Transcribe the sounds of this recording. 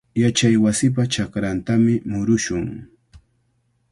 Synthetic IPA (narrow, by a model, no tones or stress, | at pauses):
jat͡ʃajwasɪp̬at͡ʃakɾant̪amɪmʊɾʊʃʊŋ